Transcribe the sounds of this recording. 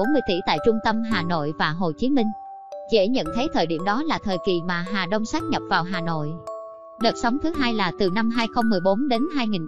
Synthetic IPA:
o˨˦nmɨ˧əjt̪ḭ˧˩t̪a̰ː˧˨jt͡ɕʊ˧ŋ͡mt̪ə˧mɦaː˨˩no̰˧˨jvaː˨˩ɦo˨˩t͡ɕi˨˦mï˧ŋ̟ | zḛ˧˥ɲə̰˧˨nt̪ʰə˨˦jt̪ʰəː˨˩jɗḭ˧˩əmɗɔ˨˦laː˨˩t̪ʰəː˨˩jki˨˩maː˨˩ɦaː˨˩ɗə˧wŋ͡msaː˦˥k̚ɲə˨˩p̚vaː˨˩wɦaː˨˩no̰˧˨j | ɗə˨˩t̚sa˨˦wŋ͡mt̪ʰɨ˨˦ɦaː˧jlaː˨˩t̪ɨ˨˩na˧mɦaː˧jxə˧wŋ͡mmɨ˨˩əjɓo˨˦nɗe˨˦nɦaː˧jŋi˨˩ŋ

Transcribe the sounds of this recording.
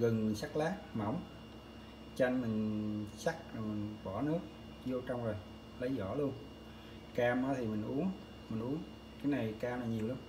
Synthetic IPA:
ɣə˨˩nmi˨˩ŋ̟sa˦˥k̚laː˦˥k̚ma̰˧˩wŋ͡m | t͡ɕa˧jŋmï˨˩ŋ̟sa˦˥k̚zo˨˩jmï˨˩ŋ̟ɓɔ˧˩nɨ˦˥ək̚ | zo˧t͡ɕɔ˧wŋ͡mzo˨˩j | lə˨˦jzɔ˧˩lu˧ən | kaː˧mʔaː˨˦t̪ʰi˨˩mï˨˩ŋ̟ʔu˨˦əŋ | mï˨˩ŋ̟ʔu˨˦əŋ | kaː˨˦jna˨˩jkaː˧mlaː˨˩ɲi˨˩əwla˨˧˦n

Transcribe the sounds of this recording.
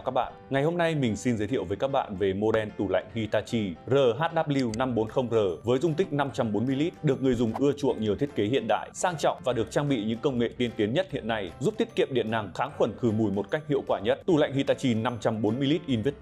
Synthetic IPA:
wkaː˦˥k̚ɓa̰ː˧˨ŋa˨˩jɦo˧mna˧jmï˨˩ŋ̟si˧nzə˨˦t̪ʰḭ˧˨əwvə˨˦jkaː˦˥k̚ɓa̰ː˧˨nve˨˩mo˧ɗɛ˧nt̪u˧˩la̰˧˨jŋ̟hi˧t̪aː˧t͡ɕi˧zəː˨˩ɦaː˦˥t̚ɗaː˦˥p̚li˧wna˧mɓo˨˦nxə˧wŋ͡mzəː˨˩vəː˨˦jzʊ˧ŋ͡mt̪ï˦˥k̟̚na˧mt͡ɕa˧mɓo˨˦nmɨ˧jli˦˥t̚ɗɨ˨˩ək̚ŋɨ˨˩əjzʊ˨˩ŋ͡mʔɨ˧ət͡ɕṵ˧˨əŋɲi˨˩əwt̪ʰi˦˥ət̚ke˨˦hi˧˨ənɗa̰ː˧˨jsaː˧ŋt͡ɕɔ̰˧˨wŋ͡mvaː˨˩ɗɨ˨˩ək̚t͡ɕaː˧ŋɓḭ˧˨ɲɨ̰˧˥ŋkə˧wŋ͡mŋḛ˧˨t̪i˧ənt̪i˨˦ənɲə˦˥t̚hḭ˧˨ənːa˧jzu˦˥p̚t̪ʰi˦˥ət̚ki˧˨əmɗḭ˧˨ənːa˨˩ŋxaː˨˦ŋxwə˧˩nxɨ˧˩mu˨˧˩jmo˨˩t̚ka˦˥jk̟̚hḭ˧˨wkwaː˧˩ɲə˦˥t̚t̪u˨˩la̰˧˨jŋ̟hi˧t̪aː˧t͡ɕi˧na˧mt͡ɕa˧mɓo˨˦nmɨ˧jli˦˥t̚ʔi˧nvi˦˥t̚

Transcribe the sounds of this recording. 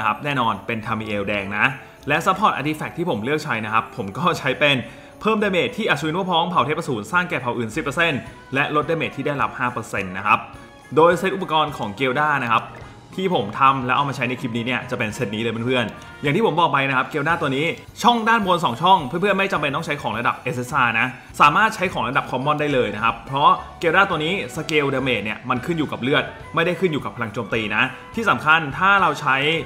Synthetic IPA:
kʰa˦˥p̚nɛː˥˩nɔː˧npe˧nt̪ʰaː˧miː˧ʔeː˧wdɛː˧ŋna˦˥ | lɛ˦˥sa˦˥pʰɔː˨˩t̪̚ʔa̰˧t̪i˧˥fɛː˨˩k̚t̪ʰiː˥˩pʰo˩˦mlɯ˥˩ək̚t͡ɕʰa˦˥jna˦˥kʰa˦˥pʰːo˩˦mkɔː˥˩t͡ɕʰa˦˥jpe˧n | pʰɤː˥˩mda˧jmeː˨˩t̪ʰːiː˥˩ʔa˨˩t̚t͡ɕu˧nu˥əpʰɔː˦˥ŋpʰa˨˩wt̪ʰeː˦˥pːa˧suː˩˦nsaː˥˩ŋkɛː˨˩pʰa˨˩wʔɯː˨˩nsi˨˩pːə˧se˥˩n | lɛ˦˥ʔlo˦˥t̪̚daː˧meː˨˩t̪ʰːiː˥˩daː˥˩jla˦˥p̚haː˥˩pɤː˧se˧nːa˦˥kʰa˦˥p̚ | doː˧jse˦˥t̪ʔu˨˩p̚ːa˧kɔː˧nkʰɔː˩˦ŋkeː˧wdaː˥˩na˦˥kʰa˦˥p̚ | t̪ʰiː˥˩pʰo˩˦mt̪ʰa˧mlɛ˦˥ʔa˧wma˧t͡ɕʰa˦˥jna˧jkʰi˦˥p̚ni˦˥ni˥˩ɐt͡ɕa˨˩pe˧nse˧˥t̪̚niː˦lːpʰa˥˩pʰɯ˥˩ən | ja˨˩ŋt̪iː˥˩˦bɔː˨˩k̚pa˧jna˦˥kʰa˦˥p̚keː˧wdaː˥˩t̪u˧niː˦˥ | t͡ɕʰɔ˥˩ŋdaː˥˩nbo˧nsɔː˨˩˦ŋt͡ɕʰɔ˥˩ŋpʰɯ˥˨˩pʰɯ˥˩ə˨nma˥˩jt͡ɕa˧mpe˧nt̪ɔ˥˩ŋt͡ɕʰa˦˥jkʰɔː˩˦ŋɾa˧da˨˩p̚ʔe˦˧˥se˦˥sʔaː˧˩na˦˥ | saː˩˦maː˥˩t̪̚t͡ɕʰa˦˥jkʰɔː˩˦ŋɾa˧da˨˩p̚kʰɔː˧˥mːɔ˥˩ndaː˥˩jlɤː˧jna˦˥kʰa˦˥pʰːɾɔ˦˥keː˧waː˥˩t̪u˧əniː˦˥sa˧keː˧wdaː˧meː˨˩t̪̚ni˥˩ɐma˧nkʰɯ˥˩njuː˨˩ka˨˩p̚lɯ˥˩ət̪̚ | ma˥˩jda˥˩jkʰɯ˥˩njuː˨˩ka˨˩pʰːla˧ŋt͡ɕoː˧mt̪iː˧na˦˥t̪ʰiː˥˩sa˩˦mkʰa˧˩nt̪ʰaː˥˩ɾa˧wt͡ɕʰa˦˥j

